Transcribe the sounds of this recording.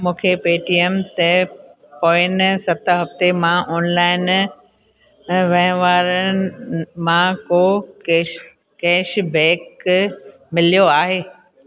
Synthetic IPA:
mũːkʰepeːʈiemt̪e | poːɪnsɐt̪ʰəɦɐft̪emãʔoːnlaːɪn | ʋɐ̃ɦɪ̃ʋaːɾə | mãko | kɛːʃbɛ̃ːk | mɪlijoaːɦeː

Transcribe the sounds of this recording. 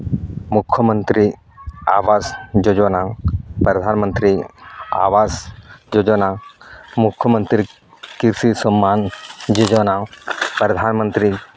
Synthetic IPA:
mukʰːəmənt̪ɾi | a̰ːʋaːsd͡ʒod͡ʒɔnapɾɐd̪ʱaːnmənt̪ɾia̰ːʋaːsd͡ʒod͡ʒɔnamukʰːjəmənt̪ɾi | kiɾsisɔmːaːnd͡ʒod͡ʒɔnapɾɐd̪ʱaːnmənt̪ɾi

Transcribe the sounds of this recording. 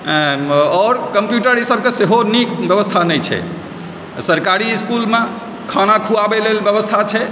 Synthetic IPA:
ɔɾkəmpjuʈəɾisəb̚ʱkeseɦonikbjəbəst̪ʰanəjt͡ʃʰɛ̰ | səɾkaɾiːskulme | kʰanakʰuabelelbjəbəst̪ʰat͡ʃʰɛ

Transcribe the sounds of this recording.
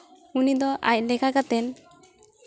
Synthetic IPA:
unid̪ɔʔa̰c̚ˀlɛkakat̪ɛn

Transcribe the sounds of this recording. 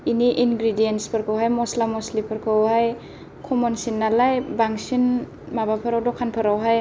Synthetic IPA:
iniʔinɡɾidienspʰaɾkʰɯwɦajmɔslamɔslipʰɯɾkʰawhaj | kʰɔmɔnsinːalajbaŋsin | mabapʰaɾawdɔkʰːanpʰaɾawɦaj

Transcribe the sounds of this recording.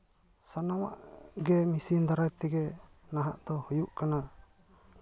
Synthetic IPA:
sanawa̰ʔɡɛmisind̪aɾajt̪ɛɡɛ | naɦa̰ʔt̪ɔhujuʔkana

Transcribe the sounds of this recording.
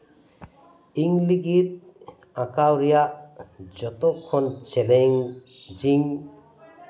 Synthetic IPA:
iŋliɡit̪̚ | ãkawɾijaʔd͡ʒɔt̪ɔkʰːɔnt͡ʃeleŋ | d͡ʒiŋ

